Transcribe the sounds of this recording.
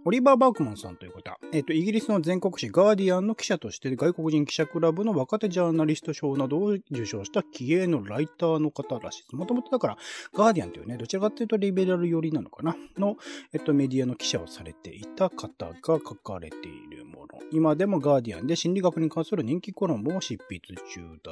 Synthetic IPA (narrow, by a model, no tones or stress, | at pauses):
o̞ɾʲibaːbaːkɯ̟mãɰ̃sã̰nt̪o̞jɯkot̪oa̰e̞ːt̪ːo̞iɡʲiɾʲisɨno̞zẽ̞ŋko̞kɯ̟ɕiɡaːd̪ʲiãnːo̞kʲi̥ɕat̪o̞ɕi̥t̪e̞ɡaiko̞kɯʑĩŋkʲi̥ɕakɯ̟ɾabɯno̞βakat̪e̞ʑaːnaɾʲist̪o̞ɕo̞ːnad̪o̞ːd͡ʑɨɕo̞ːɕi̥t̪akʲʰie̞ːno̞ɾait̪aːno̞kat̪aɾa̰ɕi̥d̪esmo̞t̪o̞mo̞t̪o̞d̪akaɾa̰ɡ̥aːd̪ʲiã̰nt̪eḭɯ̰ned̪ot͡ɕiɾakat̪ːeiɯ̟t̪oɾʲibe̞ɾaɾɯ̟jo̞ɾʲinano̞̰kanano̞et̪ːo̞me̞d̪iano̞kʲi̥ɕaosaɾe̞t̪e̞̰ʔit̪akʰat̪a̰ɡ̥akakaɾe̞̰t̪e̞̰ḭɾɯ̟̰mo̞̰no̞̰imad̪e̞mo̞ɡaːd̪ʲiã̰nd̪e̞ɕĩnɾʲiɡakɯ̟ɲ̟ikãɰ̃sɨɾɯ̟ɲ̟ĩŋkʲiko̞ɾõ̞mɯoɕipːit͡sɨt͡ɕɨ̰ːd̪a